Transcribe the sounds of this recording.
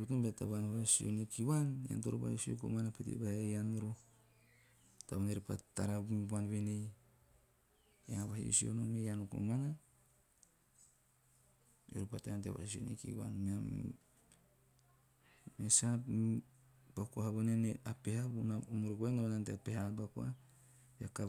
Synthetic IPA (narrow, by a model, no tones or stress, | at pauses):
utunbeta̰βanoɾasio̰nikiwanja̰ntoɾoba̰hjosio̰ko̰manapetḭbahejanoɾo | taβaneɾpa̰ta̰ɾabumibanβene | jaŋaβahio̰sio̰nomejanoko̰mana | o̰ɾupatajantea̰βa̰hisio̰nḛkḭwa̰nmia | mesa | b̥akuahaβoneneapehabunamoɾokoenaβananteapehabakua | beaka